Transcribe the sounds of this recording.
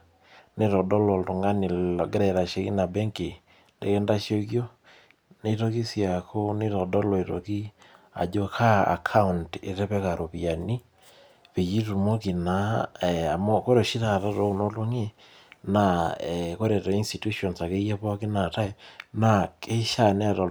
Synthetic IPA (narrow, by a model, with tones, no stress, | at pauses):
ne˦ɾɔ˨dɔ˦lɔ˨lto˨ŋɡa˦ni˨ɡe˦ɾɛ˨ɾa˨ʃe˦ki˦na˨bɛ˦ŋke˨ | ndḛ˨kɛ˦nda˦ʃo˦kjo˦ | ne˦to˦ki˦sja˨kʰo˦ne˦to˨dɔ˦lɔ˨e˨to˨ki˦a̰˨d͡ʒo˦kʰa˦a̰˨kʰa˦u˨nte˨ɾɛ˦pɛ˦ka˨ɾʔo˨pi˨a˨ni˦ | pe˨t͡ʃi˦tu˨mo˦ki˨na˦˨a˨mɔ˦ko˦ɾo˨ʃi˦ta˨ta˦to˨˦˨no˦lo˦ŋe˦ | na˨ɛ˨ko˦ɾe˨tɔ˨i˦nsti˨tu˦ʃɔ˨nsa˨ke˦jɛ˦pɔ˦kɪ˦na˨ta˦e˨na˨ke˦ʃa˦˨ne˦a˨to˨